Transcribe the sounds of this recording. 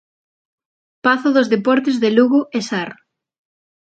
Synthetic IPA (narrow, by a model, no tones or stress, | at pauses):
paθoðozðepɔɾt̪ezðeluɣoʔesaɾ